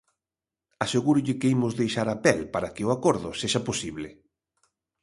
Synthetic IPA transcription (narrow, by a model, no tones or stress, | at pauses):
aseɣuɾʊʎɪkeimʊzðejʃaɾapɛlpaɾakɪʊakoɾðʊ̰seʃaposiβlɪ